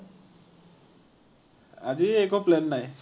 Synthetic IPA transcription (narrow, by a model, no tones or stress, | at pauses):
ad͡ʑiekoplenːaj